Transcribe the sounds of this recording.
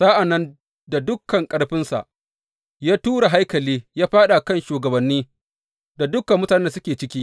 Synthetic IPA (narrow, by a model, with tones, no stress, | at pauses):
saː˦ʔa˨nːɐ˦n | da˨dʊ˦kːɐ˨ŋkʼɐ˦ɽɸɪ˦nsa̰˨ʔ | jaː˦tuː˦ɽa˨ɦa˦jkɐ˨liː˦jaː˦ɸaː˦ɗa˨kɐ˦nʃuː˨ɡɐ˨bɐ˨nːiː˦ | da˨dʊ˦kːɐ˨mːʊ˦taː˨neː˦da˨sʊ˦kʲeː˨t͡ʃɪ˦kʲiː˦